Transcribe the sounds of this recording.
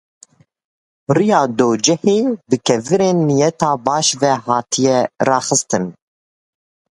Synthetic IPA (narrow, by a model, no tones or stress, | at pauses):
rijɑːd̪oːd͡ʒɛheːbɨkʰɛvɨɾeːnːijɛt̪ɑːbɑːʃvɛhɑːt̪ʰijɛrɑːxɨst̪ɨn